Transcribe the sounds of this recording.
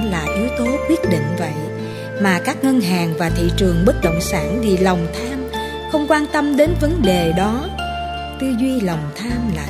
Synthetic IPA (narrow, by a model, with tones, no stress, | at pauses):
laː˨˩ʔi˨˦əwt̪o˨˦kwi˦˥ət̚ɗḭ̈˧˨ŋ̟və̰˧˨j | maː˨˩kaː˦˥k̚ŋə˧nɦaː˨˩ŋvaː˨˩t̪ʰḭ˧˨t͡ɕɨ˨˩əŋɓə˦˥t̚ɗo̰˧˨wŋ͡msaː˧˩nvi˨˩la˨˩wŋ͡mt̪ʰaː˧m | xə˧wŋ͡mkwaː˧nt̪ə˧mɗe˨˦nvə˨˦nɗe˨˩ɗɔ˨˦ | t̪ɨ˧zwi˧la˨˩wŋ͡mt̪ʰaː˧mla̰ː˨˩